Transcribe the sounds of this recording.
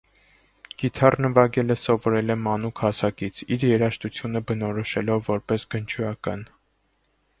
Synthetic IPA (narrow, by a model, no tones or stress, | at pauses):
ɡ̥it̪ʰɑrnəvɑɡɛləsɔvɔɾɛlɛmɑnukʰhɑsɑkit͡sʰiɾjɛɾɑʃt̪ut͡sʰjunəbənɔɾɔʃɛlɔvːɔɾpɛsɡənt͡ʃʰujɑkɑ̰n